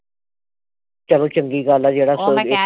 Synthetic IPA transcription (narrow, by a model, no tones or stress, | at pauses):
t͡ʃəlõːt͡ʃəŋɡiːɡaːlaːd͡ʒeːɽaːsoːd͡ʒɪ